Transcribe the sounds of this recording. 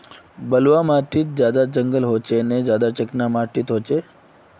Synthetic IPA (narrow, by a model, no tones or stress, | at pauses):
bəlʋamaʈit̪̚d͡ʒjad̪at͡ʃəŋɡəlɦot͡ʃʰened͡ʒjad̪at͡ʃəknamaʈit̪ɦot͡ʃʰe